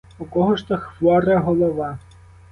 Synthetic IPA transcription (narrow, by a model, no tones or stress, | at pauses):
ukɔɦɔʃt̪ɔxʋɔɾɐɦɔlˠɔʋɑ